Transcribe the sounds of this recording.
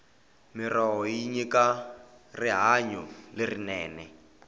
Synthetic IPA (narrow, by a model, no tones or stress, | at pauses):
mirɔɦɔjiɲikariɦaɲɔlerinɛːnɛ